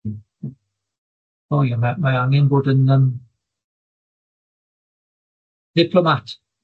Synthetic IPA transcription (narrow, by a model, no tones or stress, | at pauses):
ojamamajaŋənbɔdənəm | d̥ɪpʰlɔmat